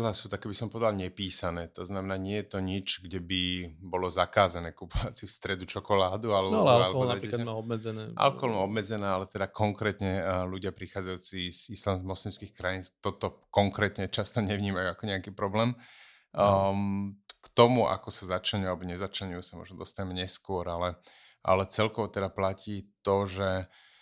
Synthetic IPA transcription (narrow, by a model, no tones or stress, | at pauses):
lasuːt̪akɛːbisɔmpɔʋɛd̪alɲɛpiːsanɛːt̪ɔznamɛnaːɲɪɛjɛt̪ɔɲit͡ʃɡɟɛbibɔlɔzakaːzanɛːkupɔʋat͡sifst̪ɾɛd̪ut͡ʃɔkɔlaːd̪ualɛbalɛalalɛɔɦɔlɔnaɛɾikɛkamaɔbmɛd͡zɛnɛ̰ːʔa̰lkɔɦɔlmaɔbmɛd͡zɛnɛːalɛt̪ɛd̪akɔŋkɾɛːt̪ɲɛluɟɪapɾixaːd͡zajuːt͡siz̥islammɔslimskixkɾajiːnt̪ɔt̪ɔkɔŋkɾɛːt̪ɲɛt͡ʃast̪ɔɲɛʋɲiːmajuakɔɲɛakiːpɾɔblɛːm | kt̪ɔmuʔa̰kɔsazat͡ʃlɛɲʊalɛbɔɲɛzat͡ʃlɛɲujuːsamɔ̰ʒnɔd̪ɔst̪aɲɛmɛɲɛskʊɔɾalɛ | ʔa̰lɛt͡sɛlkɔʋɔt̪ɛd̪aplaciːt̪ɔʒɛ